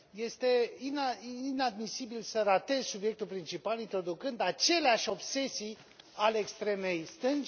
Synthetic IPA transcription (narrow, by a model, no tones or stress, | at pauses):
je̞st̪e̞inaiinad̪misibilsəɾat̪e̞zsubje̞k̚t̪ulpɾint͡ʃipalint̪ɾo̞d̪ukɨnd̪at͡ʃe̞leaʃʲo̞bse̞si | aleekst̪ɾe̞me̞jst̪ɨn